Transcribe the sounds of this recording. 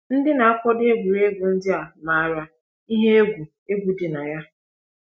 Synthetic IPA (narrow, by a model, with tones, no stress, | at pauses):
n̩˦dɪ˦na˨a˦kʷɔ˦de˦ɡʷu˨ɾe˦ɡʷu˨n̩˦dɪ˦a˨ma˨a˦˨ɾa˨ | i˦ɦe˦e˦ɡʷu˨ | e˦ɡʷu˨dɪ˨na˨ja˦